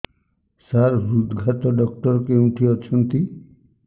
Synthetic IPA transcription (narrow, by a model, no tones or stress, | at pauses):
saɾɾud̪ɡʱat̪ɔɖɔkʈɔɾɔkeũʈʰiɔt͡ʃʰɔnt̪i